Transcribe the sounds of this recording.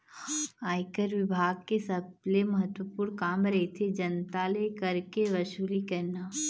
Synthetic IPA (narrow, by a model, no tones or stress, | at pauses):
aːɪkəɾʋɪbʱaːɡ̚kesɐblemɐɦət̪wəpuːɾnkaːmɾɐɦet̪ʰed͡ʒɐnt̪alekɐɾkeʋɐʃuːlikɐɾnaː